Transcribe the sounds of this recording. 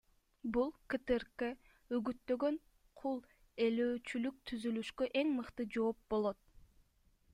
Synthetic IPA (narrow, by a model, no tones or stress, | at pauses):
bulˠkɨt̪ɨɾke | yɡyt̪ːø̞ɡø̞ɴ | qʰulˠ | eløːt͡ʃylyk̚t̪ʰyzylyʃkøʔe̞ŋmɯqt̪ɯd͡ʒo̞ːp̚bo̞lˠo̞t̪̚